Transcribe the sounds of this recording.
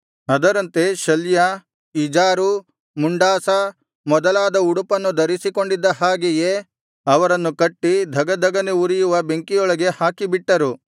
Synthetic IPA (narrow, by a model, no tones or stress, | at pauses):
ɐd̪ɐɾɐnt̪e̞ʃɐljɐ | id͡ʒaːɾu | muɳɖaːsɐ | mɔd̪ɐlaːd̪ɐuɽupɐnːud̪ɐɾisiko̞ɳɖid̪ːɐɦaːɡije | ɐʋɐɾɐnːukɐʈːid̪ʱɐɡɐd̪ʱɐɡɐneuɾijuʋɐbe̞ŋkijɔɭɐɡe̞haːkibiʈːɐɾu